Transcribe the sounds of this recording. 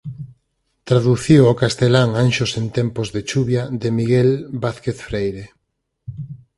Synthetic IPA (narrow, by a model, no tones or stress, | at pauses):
t̪ɾaðuθiwokast̪elaŋanʃosent̪ɛmpozðet͡ʃuβjaðemiɣelbaθkeθfɾejɾe